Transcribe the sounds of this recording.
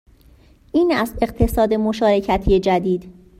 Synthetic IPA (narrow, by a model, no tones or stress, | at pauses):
ʔiːnæst̪e̞ɢt̪ʰe̞sɒːd̪e̞mo̞ʃɒːɾe̞cʰæt̪ʰije̞d͡ʒæd̪iːd̪̥